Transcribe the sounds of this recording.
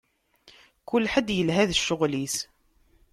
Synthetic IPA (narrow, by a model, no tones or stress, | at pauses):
kʊlːħəd̪jəlɦæðʃːʊʁlis